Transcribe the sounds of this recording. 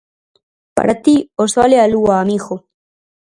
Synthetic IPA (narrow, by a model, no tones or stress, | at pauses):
pa̰ɾat̪iosalealuaːmiɣo